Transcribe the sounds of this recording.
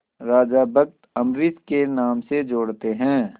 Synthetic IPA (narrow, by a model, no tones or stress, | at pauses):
ɾaːd͡ʒabək̚t̪ɐmɾɪt̪kenaːmsed͡ʒoːɽt̪eɦɛ̃ː